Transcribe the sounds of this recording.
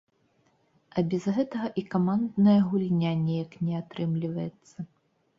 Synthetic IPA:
ɐbʲɛzɣɛt̪ɐɣɐʔikamand̪nɐjɐɣulʲnʲanʲɛjaknʲɛat̪ɾɨmlʲivɐjɛt̪sːɐ

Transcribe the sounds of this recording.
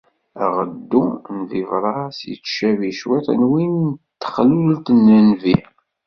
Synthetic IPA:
ʁə̰d̪ːunvivɾˤɑsjə̰t͡sːʃæviʃwit̪ˤə̰nwint̪ːə̥χlult̪nənvi

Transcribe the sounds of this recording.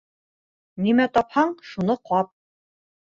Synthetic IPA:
nimæt̪ɒphɑɴʃunɤqʰɑp̚

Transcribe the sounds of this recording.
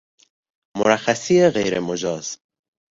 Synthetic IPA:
moɾæxæsiːeɣḛjɾḛmod͡ʒɒːz̥

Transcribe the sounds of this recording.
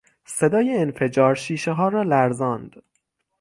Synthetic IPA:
se̞d̪ɒːjeːnfe̞d͡ʒɒːɾʃiːʃeɦɒːɾɒːlæɾzɒːnd̪̥

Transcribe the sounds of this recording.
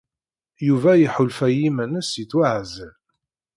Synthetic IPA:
juvæjiħʊlfæjimænəsiθwaʕzl

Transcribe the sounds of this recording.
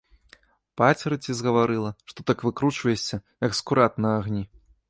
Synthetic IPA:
pat͡sʲɾɨt͡sʲizɣɐvaɾɨlˠɐʂt̪ɔt̪akvɨkɾut͡ʂvɐjesʲɐjɐkskuɾat̪nɐaɣnʲi

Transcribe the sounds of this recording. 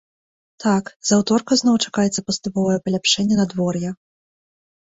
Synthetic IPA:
t̪akzawt̪ɔrkɐzn̪ɔwt͡ʂḁkajɛt̪sːɐpɐst̪upɔvɐjɛpɐlʲapʂɛnʲːɛnɐd̪vɔrjɛ

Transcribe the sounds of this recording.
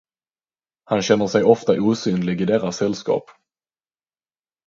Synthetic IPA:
hanɕɛnːəʂɛjɔft̪aʔuːsyːnlɪɡɪd̪ɛt̪ːasːɛlskɑ̰ːp

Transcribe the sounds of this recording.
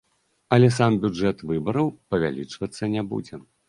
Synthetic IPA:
ɐlʲɛsambʲud͡ʐɛt̪vɨbɐɾɐwpɐvʲa̰lʲḭt͡ʂvɐt̪sːɐnʲɛbṵd͡zʲɛ

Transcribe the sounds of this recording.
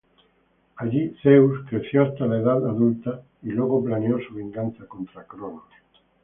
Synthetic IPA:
aʎiθewskɾeθjoast̪alaeðaðaðult̪a | ilweɣ̞oplaneosuβ̞iŋɡanθako̞nt̪ɾakɾono

